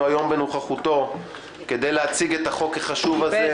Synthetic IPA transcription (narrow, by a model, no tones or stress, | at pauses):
ajo̞mbe̞nuχaχuto̞ | ke̞d̪ejleat͡siɡet̪aχo̞keχaʃuvaze